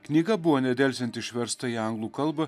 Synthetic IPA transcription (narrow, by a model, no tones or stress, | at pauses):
knʲiːɡɐbʊʋoːnʲɛd̪ʲɛːˑlʲsʲɛnt̪ʲɪʃʲʋʲɛɾst̪ɐiɐŋɡlˠuːkɐlˠbɐ